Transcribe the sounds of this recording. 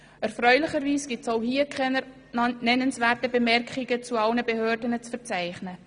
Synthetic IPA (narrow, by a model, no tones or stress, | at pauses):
ɛɾfɾœʏlɪχəɾviːsɡ̥ɪtsoʊhiəkʰχɛ | nɛnənsvæːɾtəbəmɛɾkχɪɡət͡suɑlnəbehøːɾdənət͡sfəɾt͡sæɪχnə